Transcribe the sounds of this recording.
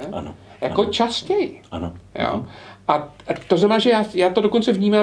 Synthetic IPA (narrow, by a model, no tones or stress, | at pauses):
a̰nja̰kot͡ʃascɛjʔa̰nojo̰ːʔat̪oznamɛnaːʒɛjaːjaːt̪odo̞kont͡sɛvɲiːma